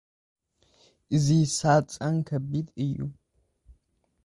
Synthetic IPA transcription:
zisaːt͡sʼɐŋkʰɐbitʼɨjṵ

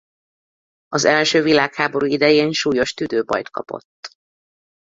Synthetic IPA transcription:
ɒzɛlʃøːvilaːkhaːbo̞ɾuːid̪ɛjeːnʃuːjo̞ʃt̪yd̪øːbɒ̰jt̪kɒ̰po̞̰t̪ː

